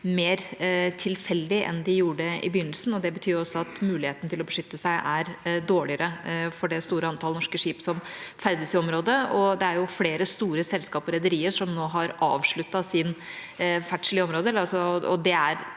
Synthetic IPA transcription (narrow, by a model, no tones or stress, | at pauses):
meːɾt̪ʰɪlfɛlːd̪ɪʔɛ̰nd̪ɪjuːɖəɪ̰bɪjʏnːəl̩sn̩ɔd̪ɛbət̪ʰyːɾɔsːɔɑt̪mʉːlɪheːt̪nt̪ʰɪlɔbəʂʏt̪ːəsæɪʔæɾd̪oːɭɪəɾəfɔɖɛst̪uːɾəɑnt̪ʰɑlnɔʂkəʂiːpsɔmfæɾd̪əsɪɔmɾoːd̪əɔd̪ɛæɾjʊfleːɾəst̪uːɾəsɛlskɑːpɔɾɛd̪əɾiːəɾʂɔmnoːɦɑɾʔɑ̰ːʋʂɭʉt̪ːɑsɪn | fæʈʂɭɪəɔmɾoːd̪əɛləɾɑlsɔɔd̪ɛæɾ